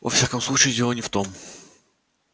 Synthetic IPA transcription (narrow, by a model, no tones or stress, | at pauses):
vɐ̰fsʲakəmsˠut͡ɕɪɪdʲelˠənʲɪft̪om